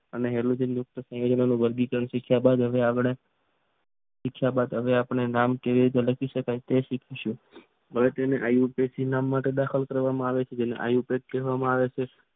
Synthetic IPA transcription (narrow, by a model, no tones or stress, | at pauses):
əneɦɛlud͡ʒenjʊk̚t̪əsə̃jod͡ʒənanũbəɾɡikəɾəɳʃikʰjabad̪ɦəʋeaɡɽe | ʃikʰjabad̪ɦəʋeapɳenamkeʋiɾit̪̬eləkʰiʃəkajt̪eʃikʰiʃũ | ɦəʋet̪eneʔajupesinamːaʈed̪akʰəlkəɾʋamãaʋet͡ʃʰed͡ʒenḛʔa̰jupeʈ̚keɦʋamãaʋet͡ʃʰe